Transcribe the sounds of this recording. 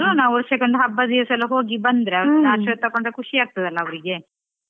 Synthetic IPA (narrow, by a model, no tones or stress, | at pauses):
ɾunaːoɾsekoɳɖuɦɐbːɐd̪iʋɐsɐlːɐɦo̞ːɡibɐnd̪ɾeɐʋnaːʃɐt̪ːɐkoɳɖɐkʰuʂiaːɡ̚t̪ɐd̪ɐlːɐːʋɐɾiɡe̞